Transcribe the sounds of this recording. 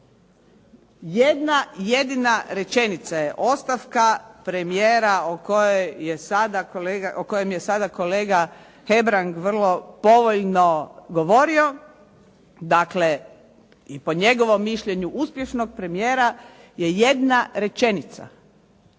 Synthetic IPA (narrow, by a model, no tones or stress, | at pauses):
jed̪naje̞d̪inaɾe̞t͡ʃe̞nit̪sajeʔo̞st̪afkapɾe̞mijeːɾaokojojjesad̪akoleɡaʔoko̞jemjesad̪ako̞le̞ːɡa | xe̞bɾaŋɡʋr̩lˠo̞po̞ʋoʎno̞ɡo̞ʋo̞ɾio̞ | d̪akle̞ | ipo̞ɲe̞ɡo̞ʋo̞mːiʃʎe̞ɲuʔuspje̞ʃnoɡ̚pɾe̞mijeːɾa | je̞je̞d̪naɾe̞t͡ʃe̞nit̪sa̰